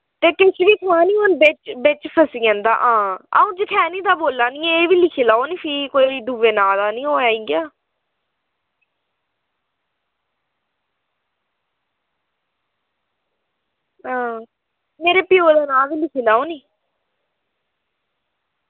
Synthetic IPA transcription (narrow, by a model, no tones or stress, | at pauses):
t̪eːkɪsʋiːt̪ʰãːnĩːɦoːnbɪt͡ʃbɪt͡ʃpʰəsiːɛ̃ːnd̪a̰ːʔãːa̰ũːd͡ʒəkʰɛːniːd̪aːboːlːaːnĩːeːʋiːlɪkʰiːlaːoːnĩːpʰiːkoːiːɖuːʋeːnaːd̪aːnĩːɦoːaːiːɡjaː | ãː | meːɾeːpɪjoːd̪aːnaːʋiːlɪkʰiːlaːoːniː